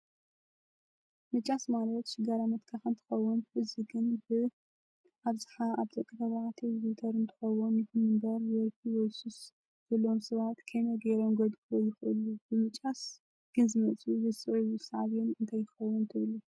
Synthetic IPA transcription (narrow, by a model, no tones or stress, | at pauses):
mɨt͡ʃʼasmalɐt̪ʃɪɡaɾamɐt̪kʰaxɨnt̪ʰɨ̥xɐwːunfɨziɡɨnbɨ | ʔaβzɨħaaβt̪ɐkʼːɨt̪ɐβaʕt̪ʰiɾit̪ʰɐɾɨnt̪ʰɨ̥xɐwunjɪxʰɨmɨmbɐɾjɔlkʰiwɔsus | z̥ɐlomsɐβat̪kʰɐjnoɡeɾomɡod̪kʰɨojɪxʔɨ̰lubɨmɨt͡ʃʼas | ɡ̥ɨnzɨmɐt͡sʼuzɨsʼɨʕijusaʕβɛnɨnt̪ʰaj̪ʰɨxɐwːʊnt̪ʰɨβɨlu